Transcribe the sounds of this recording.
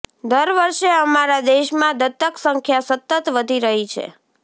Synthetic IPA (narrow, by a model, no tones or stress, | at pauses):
d̪əɾʋəɾʃeəmaɾad̪eʃmãd̪ət̪ːəksəŋkʰjasət̪ːət̪ʋəd̪ʱiɾəɦit͡ʃʰḛ